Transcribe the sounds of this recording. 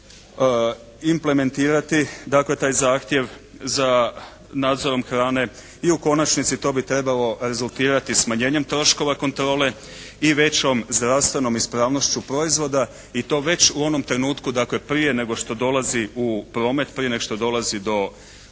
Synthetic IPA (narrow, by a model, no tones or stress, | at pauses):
imple̞me̞nt̪iːɾat̪id̪akle̞t̪aːjzaːxt̪je̞ʋ | za | naːd̪zo̞ɾo̞mxɾaːne̞ | iuko̞nat͡ʃnit̪sit̪o̞ːbit̪ɾe̞balo̞ɾe̞zulˠt̪iːɾat̪ismaɲe̞ːɲe̞mt̪ɾo̞ʃko̞ʋako̞nt̪ɾo̞ːle̞ | iʋe̞t͡ɕo̞mzd̪ɾaʋst̪ʋe̞no̞mispɾaːʋno̞ʃt͡ɕupɾo̞izʋo̞d̪a | it̪o̞ːʋe̞t͡ɕuo̞no̞mt̪ɾe̞nuːt̪kud̪akle̞pɾije̞ne̞ɡo̞ʃt̪o̞d̪o̞laziupɾo̞ːme̞t̪pɾije̞neɡoʃt̪od̪o̞lazid̪o̞